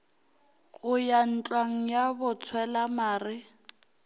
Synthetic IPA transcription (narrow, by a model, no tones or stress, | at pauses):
ɣʊjan̩t͡ɬʼwaŋ̩jabʊt͡sʰwɛlamaːrɪ